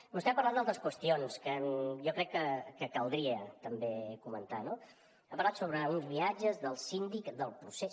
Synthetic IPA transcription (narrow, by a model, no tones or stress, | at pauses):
must̪ɛmpɐɾland̪alˠt̪ɾəskwəst̪ionskəjɔkɾɛkːəkəkəlˠd̪ɾiət̪əmbekumə̰nt̪ano | əpəɾlat̪soβɾəunzβiad͡ʒəzðəlˠsind̪ikðəlˠpɾuses